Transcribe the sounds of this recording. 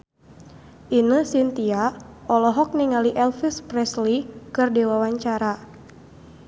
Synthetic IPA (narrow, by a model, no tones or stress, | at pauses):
ʔinəsint̪iaɔlɔɦɔk̚niŋaliʔɛlfisprɛslikɨrdɛwawaɲt͡ʃaɾa